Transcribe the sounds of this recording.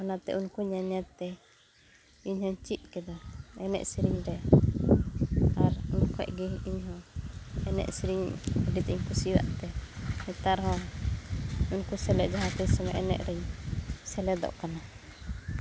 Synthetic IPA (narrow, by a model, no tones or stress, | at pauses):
ɔnat̪ɛ̰ʔunkuɲaɲat̪ːɛ | iɲhɔɲt͡ʃit̪̚kɛd̪aɛnɛ̰ʔsiɾiɲɾɛ | aɾunkɔ̰ʔɡiiɲhɔ̃ | ɛnɛ̰ʔsiɾiɲɖit̪iɲkusiwa̰ʔt̪ɛɛt̪aɾɦɔ̃ | unkusɛlɛʔd͡ʒaɦãt̪ɛɲsamɛ̰ʔɛnɛ̰ʔɾɛɲsɛlɛd̪ɔ̰ʔkana